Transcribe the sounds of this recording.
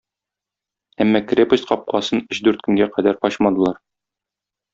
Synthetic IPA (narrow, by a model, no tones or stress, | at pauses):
æmːɑkɾʲepə̆ɕqɒp̚qɑsɤnɵɕd̪ʉɾt̪̚kɵ̆ŋɡæqæd̪æɾqɒɕmɑd̪ɤ̆lˠɑɾ